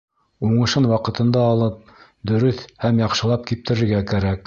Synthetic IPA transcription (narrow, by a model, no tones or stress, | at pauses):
uɴɤ̆ʃɤnwɑqɤ̆t̪ɤ̆nd̪ɑːlˠɤp̚ | d̪ɵ̆ɾɵθhæmjɑqʃɤ̆lˠɑp̚kip̚t̪ɘ̆ɾɘ̆ɾɡækæɾæk